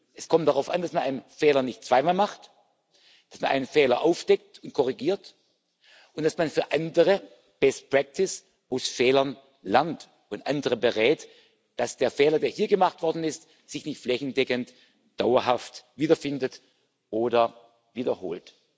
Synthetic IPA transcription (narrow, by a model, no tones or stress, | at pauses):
ʔɛskʰɔmtd̥aʁaʊfa̰ndasmanʔa̰ɪnənfɛːlɐnɪçtt͡sv̥aɪmaːlmaχt | d̥asmanʔa̰ɪnənfɛːlɐʔaʊfd̥ɛk̚tʊnt̚kʰɔʁ̞iɡiːɐt | ʔʊntd̥asmanfyːɐʔandəʁ̞ə | b̥ɛst̚pʁ̥ɛk̚tʰɪs | ʔaʊsfɛːlɐn | lɛɐnt | ʊntʔandəʁəbəʁɛːt | d̥asd̥eːɐfɛːlɐdeːɐhiːɐɡəmaχtv̥ɔɐdn̩ɪst | z̥ɪçnɪçtflɛçn̩dɛkənt | d̥aʊɐɦaftviːdɐfɪndət | ʔoːdɐ | viːdɐho̰ːlt